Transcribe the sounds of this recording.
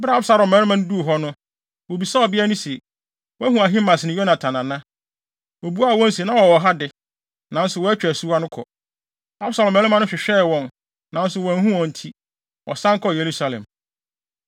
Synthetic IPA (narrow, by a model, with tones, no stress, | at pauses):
bɾa˦bsa˦ɾɔ˨mɛ̃˨˦ɾɪ˦mã˦ñ˦du˦o˨ɦɔ˦nʊ̃˦ | wo˨bi˨sa˦ɔ˨bɪ˦æ˦nʊ̃˦si˨ | wɔ˦æ˦hũ˨a˨ɦĩ˦mã˨snɪ̃˨jɔ˦nã˨tʰã˨nã˨nã˦ | wo˨bu˦a˦˨wɔ̃˦n˦si˨nã˦wɔ˨wɔ˨ɦa˦dɪ˨ | nã˨n̩˦sʊ˨wɔ˦æ˦t͡ɕᶣæ˨su˦wa˦nʊ̃˦kʰɔ̰˨ | a˦bsa˨lɔ̃˨mɛ̃˨˦mã˦nʊ̃˦ɕᶣɪ˨ɕᶣɛ˦˨wɔ̃˨n | nã˨n̩˦sʊ˨wɔ̃˨n˦ɦũ˦ɔ̃˨n̩˨tʰi˦ | wʔɔ̰˨sã˦ŋkʰɔ˦˨je˨ɾu˦sa˨lɛ̰̃˨m